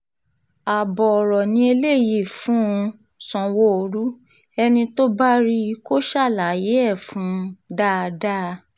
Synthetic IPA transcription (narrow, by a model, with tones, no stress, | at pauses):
a˨bɔ˨ɔ˨ɾɔ˨nĩ˧˦e˧le˦˨ji˦˨fũ˨˦ũ˧ | sɔ̃˨wo˦o˧ɾu˦ | ɛ˧nĩ˧to˦ba˦ɾi˦ko˦ʃa˦˨la˨˦je˨˦ɛ˦˨fũ˨˦da˦˨˧da˦˧